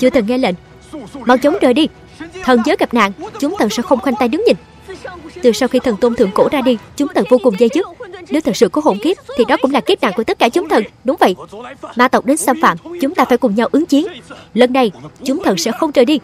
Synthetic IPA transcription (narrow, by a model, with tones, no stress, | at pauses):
t͡ɕɨ˧ət̪ʰə˨˩ŋɛ˧lḛ˧˨n | ma˨˩w̚t͡ɕə˨˦wŋ͡mt͡ɕəː˨˩jɗi˧ | t̪ʰə˨˩nzəː˨˦jɣa˨˩p̚na̰ː˧˨ŋt͡ɕʊ˨˦ŋ͡mt̪ʰə˨˩nsɛ̰˧˥xə˧wŋ͡mxwa˧jŋ̟t̪a˧jɗɨ˨˦ŋɲï˨˩ŋ̟ | t̪ɨ˨˩sa˧wxi˧t̪ʰə˨˩nt̪o˧nt̪ʰɨ̰˧˩əŋko̰˧˩zaː˧ɗi˧t͡ɕʊ˨˦ŋ͡mt̪ʰə˨˩vo˧kʊ˨˩ŋ͡mzə˧jzɨ˦˥k̚ne˨˦wt̪ʰə˨˩k̚sɨ̰˧˨kɔ˨˦ɦo̰˧˩nki˦˥p̚t̪ʰi˨˩ɗɔ˨˦kʊ˧˥ŋ͡mlaː˨˩ki˦˥p̚na̰˧˨ŋku˧˩ət̪ə˦˥t̚kaː˧˩t͡ɕʊ˨˦ŋ͡mt̪ʰə˨˩nɗʊ˨˦ŋ͡mvə̰˧˨jmaː˨˩t̪ə˨˩wk͡p̚ɗe˨˦nsaː˧mfa̰ː˧˨mt͡ɕʊ˨˦ŋ͡mt̪aː˧faː˧˩jkʊ˨˩ŋ͡mɲa˧wʔɨ˨˦ŋt͡ɕi˨˦nlə˧nːa˨˧jt͡ɕʊ˨˦ŋ͡mt̪ʰə˨˩nsɛ̰˧˥xə˧wŋ͡mt͡ɕəː˨˩jɗi˧